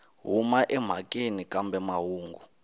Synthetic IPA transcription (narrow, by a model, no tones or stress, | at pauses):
ɦumaʔɛm̤akʼenikʼambɛmaɦuːŋɡu